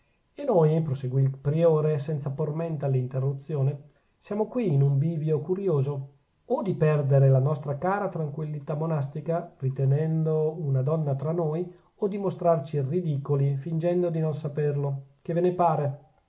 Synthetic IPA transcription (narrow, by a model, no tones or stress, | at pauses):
enojpɾoseɡwilpɾioːɾesɛnt̪sapormɛnt̪alːint̪erːut̪sːjoːne | sjaːmokwiːnumbiːvjokuɾjoːzo | od̪ipɛrd̪eɾelanɔst̪ɾakaːɾat̪ɾaŋkwilːit̪amːonast̪ikarit̪enɛnd̪ounad̪ɔnːat̪ɾanːoj | od̪imost̪ɾart͡ʃirid̪iːkolifind͡ʒɛnd̪od̪inonsaperlokevenepaːɾe